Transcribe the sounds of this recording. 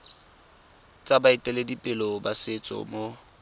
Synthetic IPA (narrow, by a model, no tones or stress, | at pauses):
t͡sʼabaɪtʼɛledipʼɪlɔbasɪt͡sʼɔ̰mo